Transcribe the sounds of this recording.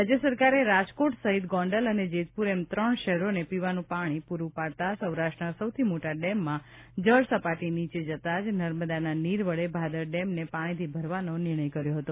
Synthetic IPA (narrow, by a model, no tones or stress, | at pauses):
ad͡ʒjəsəɾkaɾeɾad͡ʒkoʈsəɦit̪ɡɔ̃ɳɖələned͡ʒet̪̚puɾemt̪ɾəɳʃɛɦɾonepiʋanũpaɽ̃ipuɾupaɽt̪asəwɾaʃʈənasəwt̪ʰimoʈaɖɛmːã | d͡ʒəɭsəpaʈinit͡ʃed͡ʒət̪ad͡ʒnəɾməd̪ananiɾʋəɭebʱad̪əɾɖɛmnepaɽ̃it̪ʰibʱəɾʋanonɪɾɽ̃əjkəɾjoɦət̪o